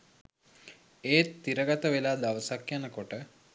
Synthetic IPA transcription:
eːt̪ːiɾəɡat̪əʋelaːd̪aʋəsakjanəkoʈə

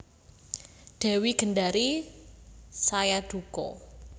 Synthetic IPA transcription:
ɖ̥ɛ̤wiɡ̥ə̤nɖaɾi | sajaɖ̪̥ukɔ̰

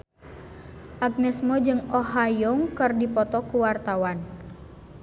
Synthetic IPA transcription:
ʔaɡ̚nɛsmɔd͡ʒɨŋɔɦajɔŋkərdipɔt̪ɔkuwart̪awan

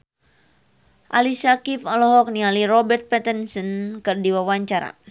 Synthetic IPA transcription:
ʔalisakifɔlɔɦɔk̚nialirɔbɛrt̪̚pɛt̪ənsənkɨrdiwawaɲt͡ʃaɾa̰

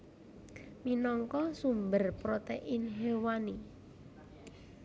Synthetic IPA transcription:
minɔŋkɔsumbərpɾot̪eʔɪnɦewani

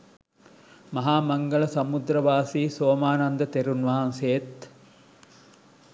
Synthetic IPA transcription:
mɐɦaːmɐŋɡɐɭɐsɐmud̪ɾɐʋaːsiːsoːmaːnɐnd̪ɐt̪eɾunʋaːɐnseːt̪

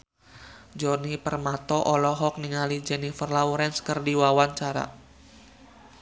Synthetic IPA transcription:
d͡ʒɔnipərmat̪ɔʔɔlɔɦɔk̚niŋalid͡ʒɛnifərlauɾɛnskərdiwawaɲt͡ʃaɾa̰

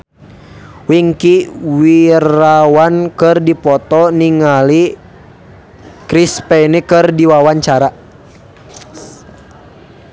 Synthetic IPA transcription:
wiŋkiwiɾawankɨrdipɔt̪ɔniŋali | kɾispɛnikɨrdiwawaɲt͡ʃaɾa

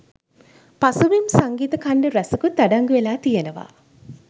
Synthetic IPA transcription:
pasuʋimsaŋɡiːt̪əkaɳɖəɾæsɐkut̪aɖaŋɡuʋelaːt̪ijenəʋa̰

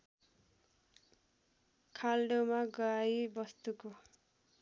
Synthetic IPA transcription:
kʰalɖewmaɡʌɾajbʌst̪uko

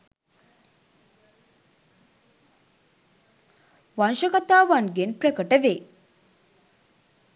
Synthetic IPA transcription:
ʋanʃəkɐt̪aːʋanɡenpɾəkəʈəʋe

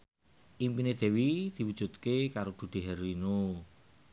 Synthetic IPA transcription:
ʔimpined̪̥e̤wid̪̥i̤wud̥ʒ̥ṳt̪kekaɾod̪̥ṳd̪̥e̤ɦɛrwino

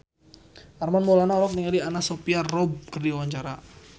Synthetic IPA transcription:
ʔarmanmolanaɔlɔk̚niŋalianasopiarɔb̚kərdiwaɲt͡ʃaɾa

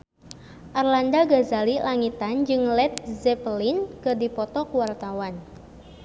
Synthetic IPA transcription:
ʔarlandaɡazalilaŋit̪and͡ʒɨŋlɛt̪̚zɛplinkɨrdipɔt̪ɔkuwart̪awan

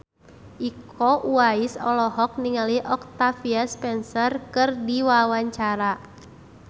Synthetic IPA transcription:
ʔikɔʔuaisɔlɔɦɔk̚niŋaliʔɔk̚t̪afiaspɛnsɔrkɨrdiwawaɲt͡ʃaɾa

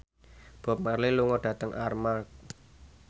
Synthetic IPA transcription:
b̥ɔ̤p̚marliluŋɔɖ̥ä̤t̪əŋʔarmak̚

